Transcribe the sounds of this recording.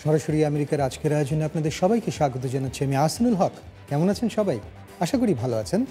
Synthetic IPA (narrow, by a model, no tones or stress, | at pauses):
ʃɔɾaʃoɾiameɾikaɾad͡ʑkeɾaeod͡ʑoneapnad̪eɾʃɔbajkeʃaɡot̪̬od͡ʑanatːɕʰiamiasanulɦɔk | kɛmonat͡ɕʰenʃɔbaj | aʃakuɽibʱaloat͡ɕʰen